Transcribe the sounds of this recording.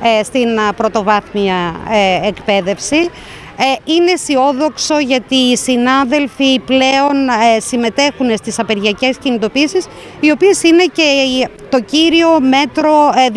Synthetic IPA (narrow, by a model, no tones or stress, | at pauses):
st̪inpɾo̞t̪o̞vɐθmiɐeekpe̞ðe̞fsi | ine̞sio̞ðo̞kso̞ʝɐt̪iːsinɐðe̞lfiple̞o̞nsime̞t̪e̞xune̞st̪isɐpeɾʝiɐce̞scinit̪o̞piːsis | io̞pie̞sine̞ce̞t̪o̞ciɾio̞me̞t̪ɾo̞